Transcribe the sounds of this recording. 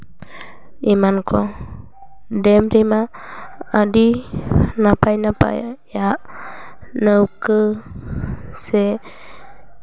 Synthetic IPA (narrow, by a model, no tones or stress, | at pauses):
imankʰɔ | dɛmɾimaː | di | napajnapa̰jjaʔ | nəwkə | sɛ